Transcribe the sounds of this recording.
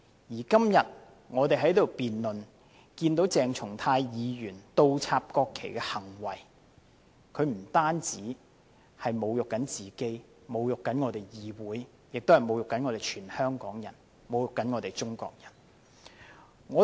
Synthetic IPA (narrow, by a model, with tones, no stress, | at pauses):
jiː˨˩kɐ˥mjɐ˨t̚ | ŋɔː˨˧t̪e˨jɦɐ˨˥jt̪o˨wpiː˨nlɵ˨n | kiː˧nt̪o˨˥wt͡sɛː˨ŋt͡sʰʊ˨˩ŋt̪ʰaː˧jjiː˨˧jyː˨˩nt̪o˧wt͡sʰaː˧p̚kɔː˧kʰːe˨˩jkɛː˧hɐ˨˩ŋwɐ˨j | kʰɵ˨˧ɥm̩˨˩t̪aː˥nt͡siː˨˥ | hɐ˨jmo˨˧wjʊ˨kːɐ˨˥nt͡siː˨ke˥j | mo˨˧wjʊ˨kːɐ˨˥nŋɔː˨˧t̪e˨˩jjiː˨˧wuː˨˥j | jɪ˨k̚t̪o˥hɐ˨jmo˨˧wjʊ˨kːɐ˨˥nŋɔ˨˧ɾe˨jt͡ʃʰyː˨˩nhœː˥ŋkɔː˨˥ŋjɐ˨˩n | mo˨wjʊ˨kːɐ˨˥nŋɔː˨˧t̪e˨jt͡sʊ˥ŋkɔ̰ː˨k̚jɐ˨˩n | ŋɔː˨˧